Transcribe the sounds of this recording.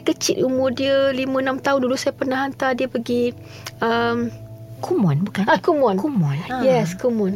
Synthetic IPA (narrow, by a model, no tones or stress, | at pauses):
kət͡ʃɪt̪umʊrdiəlimə̃ənãmt̪aʊndulʊʔsajapərnaɦant̪adiəpəɡi | əmkʰumɔnbukanakumɔnkumɔnjɛskumɔn